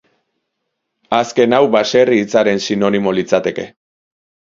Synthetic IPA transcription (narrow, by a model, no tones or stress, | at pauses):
aske̞nawbase̞riːt͡saɾe̞nsino̞nimo̞lit͡sat̪e̞ke̞